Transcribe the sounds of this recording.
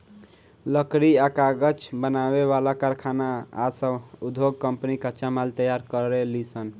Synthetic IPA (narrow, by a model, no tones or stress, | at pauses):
ləkɾiakaɡət͡ʃbənaweβalakaɾkʰanaːsə̃ud̪ʱoɡkəmpnikat͡ʃamalt̪əjaɾkəɾelisən